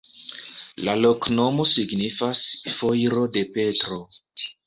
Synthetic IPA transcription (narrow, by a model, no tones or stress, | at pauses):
lalo̞kno̞mo̞siɡnifasfojɾo̞de̞pe̞tɾo̞